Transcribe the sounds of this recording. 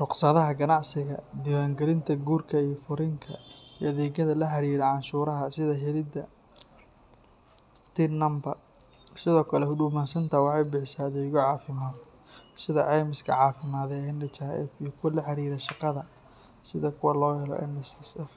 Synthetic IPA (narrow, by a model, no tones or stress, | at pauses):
rʊqsɐðɐɦɐɡɐnɑʕsɪɣɐ̰d̪ɪwaːŋɡɛlɪnt̪ʰɐɡuːrkʰɐijɞfʊɾɪŋkʰɐ̰ijɐðɛːɣɐðɐlɐħɐɾiːɾɛʕɑnʃuːɾɐɦɐsɪðɐɦɛlɪd̪ɐ | t̪ʰɪnɐmbɐr | sɪðɔːkʰɐlɛhʊɖuːmaːnsɐnt̪ʰɐwɑħɑjbɪħɪsaɐðɛːɣɔʕɑːfɪmaːð | sɪðɐ̰ʕɛjmɪskʰɐ̰ʕɑːfɪmaːðɛɛndɐt͡ʃaɛ̰fijɔkʰʊwlɐħɑɾiːɾɛʃɑqɑðɐ | sɪðɐkʰʊwɑlɔːhɛlɔ̰ʔɛ̰nɛsɛsɛf